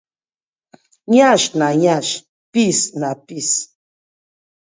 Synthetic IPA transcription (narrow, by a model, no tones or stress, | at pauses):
ɲaʃnaɲaʃ | pisnapis